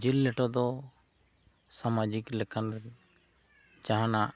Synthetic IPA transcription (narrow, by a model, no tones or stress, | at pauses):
d͡ʒilːɛʈɔd̪ɔ | samad͡ʒiklɛkʰan | d͡ʒaɦanaʔ